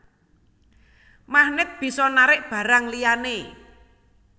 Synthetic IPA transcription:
mahnɪt̪̚b̥i̤sɔnaɾɪʔb̥ä̤ɾaŋlijane

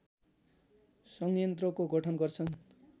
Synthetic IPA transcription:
sʌŋjʌnt̪rʌkoɡʌʈʰʌnɡʌrt͡sʰʌn

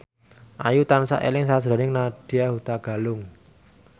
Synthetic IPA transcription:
ʔa̰jut̪ansa̰ʔḛlɪŋsaʒ̥ɾɔ̤nɪŋnaɖ̥i̤jaɦut̪aɡ̥a̤lʊŋ

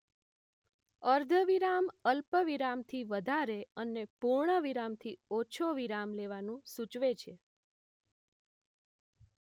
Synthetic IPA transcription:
əɾd̪ʱəʋiɾaməlpəʋiɾamt̪ʰiʋəd̪ʱaɾeənepuɾɳəʋiɾamt̪ʰiot͡ʃʰoʋiɾamleʋanũsut͡ʃʋet͡ʃʰe

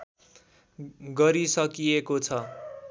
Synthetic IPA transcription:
ɡʌɾisʌkijekot͡sʰʌ

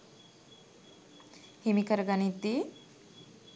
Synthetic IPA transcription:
himikɐɾɡanit̪i

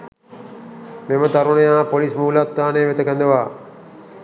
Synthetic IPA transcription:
memət̪aɾunəjaːpolismuːlat̪ːaːneːʋet̪əkənd̪eʋaː

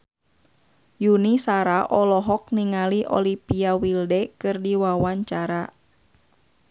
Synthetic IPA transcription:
junisaɾaʔɔlɔɦɔk̚niŋaliʔɔ̰lipiawildɛkɨrdiwawaɲt͡ʃaɾa

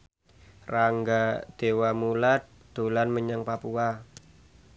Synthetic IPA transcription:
raŋɡad̪̥ewamulat̪̚ | d̪̥olanməɲaŋpapua

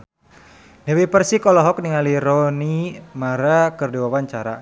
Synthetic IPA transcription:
nɛwipərsikɔlɔɦɔk̚niŋaliɾɔnimaɾakərdiwawaɲt͡ʃaɾa̰

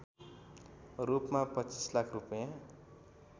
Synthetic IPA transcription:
rupmapʌt͡sislakʰrupʌjã

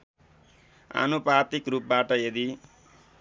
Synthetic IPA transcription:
a̰nuprat̪ikrup̚baʈʌjʌd̪i

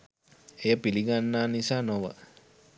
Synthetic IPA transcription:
ejəpiliɡanːaːnisaːnoʋə̰

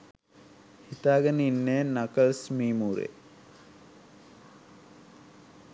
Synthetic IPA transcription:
hit̪aːɡənəinːeːnakəlsmiːmuːɾḛ

